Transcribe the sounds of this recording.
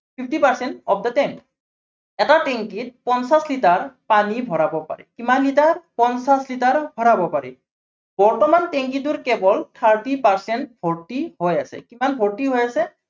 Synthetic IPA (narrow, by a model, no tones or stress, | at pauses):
pʰipʰtipaɹsɛntɔb̚datɛm | ɛtateŋkit̚pɔnsaslitaɹpanibʱɔɹabɔpa̰ɹɛ̰kimanlitaɹpɔnsaslitaɹbʱɔɹabɔpaɹɛ̰ | bɔɹtɔmanteŋkituɹkɛbɔltʰaɹtipaɹsɛnt̚bʱɔɹtihojasɛ̰kimanbʱɔɹtiɦojasɛ